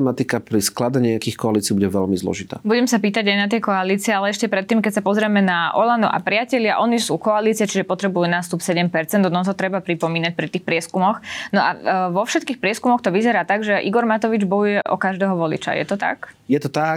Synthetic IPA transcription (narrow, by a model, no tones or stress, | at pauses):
mat̪ikapɾisklad̪ɛɲɛakiːxkɔaliːt͡siːbuɟɛʋɛlmizlˠɔ̰ʒit̪a̰ːbuɟɛmsapiːt̪aɟajnat̪̬ɛkɔaliːt͡sɪɛalɛɛʃcɛpɾɛt̪ːiːmkɛcsapɔzɾɛmɛnaʔɔ̰land̪ṵʔa̰pɾɪacɛʎɪaʔɔnisuːkɔaliːt͡siɪɛt͡ʃiʒɛpɔt̪ɾɛbujuːnaːst̪upsɛɟɛmpɛɾt͡sɛnd̪ɔd̪ɔt̪ɦɔt̪ɾɛbapɾipɔmiːnac̚pɾit̪iːxpɾɪɛskumɔxnɔʔa̰ʋɔfʃɛt̪kiːxpɾɪɛskumɔxt̪ɔʋizɛɾaːt̪aɡʒɛʔḭɡɔɾmat̪ɔʋid͡ʒbɔjujɛʔɔ̰kaʒd̪ɛːɦɔʋɔlḭt͡ʃa̰jɛ̰t̪ɔt̪a̰kjɛt̪ɔt̪a